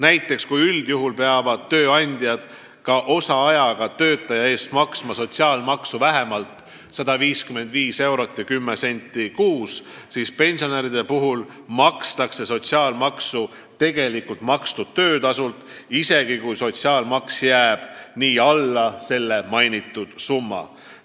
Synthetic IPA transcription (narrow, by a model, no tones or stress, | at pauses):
næjt̪ːˑe̞kskujyld̪̥juɦulpe̞ɑvɑd̪̥̚t̪ːø̞ːɑnʲd̪̥jɑd̪̥ | kɑʔo̞sɑɑjɑɡ̥ɑt̪ø̞ːt̪ːˑɑjɑe̞ːst̪mɑksmɑso̞t̪siɑːlmɑksuvæɦe̞mɑlt̪ˑ | sɑd̪̥ɑviːskymːe̞nd̪viːse̞wɾo̞t̪ːˑjɑkymːese̞nʲt̪ːˑikuːssiːspe̞nʲsioneɾid̪̥e̞puɦul | mɑkst̪ɑkse̞so̞t̪ʲsiɑːlmɑksu | t̪e̞ɡe̞likult̪mɑkst̪ud̪̥̚t̪ːø̞ːd̪̥ɑsult̪ | ise̞ɡ̥ikujso̞t̪siɑːlmɑksjæːb̥niːɑlːɑse̞lːe̞mɑjnit̪ːˑud̪̥sumːɑ̰